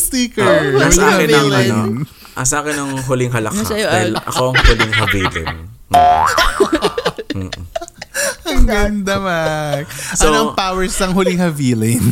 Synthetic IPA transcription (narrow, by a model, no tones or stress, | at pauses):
siːkɛsahɐɪilɪn | ʔɐsaːkɪnɐŋɦʊlɪŋɦɐlɐkad̪ɐlʔɐ̰koɐŋhʊlɪŋɦɐviːlɪ̰n | ɐŋɡɐnd̪ɐmak̚sɐonoɐpaːwɛɹsɐŋɦʊlɪŋhɐviːlɪn